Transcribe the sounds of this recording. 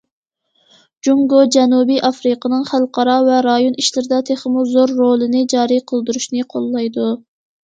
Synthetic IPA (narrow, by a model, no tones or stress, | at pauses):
d͡ʒuŋɡod͡ʒɛnubijʔɑfɾɨqʰənɨŋχælˠqʰɑɾɑvɛɾɑjoniʃlɪɾɪd̪ɛt̪ʰeχmuzoɾːolˠɨnɪd͡ʒɑːɾijqʰəlˠd̪uɾuʃnɪqʰolˠːɑjd̪u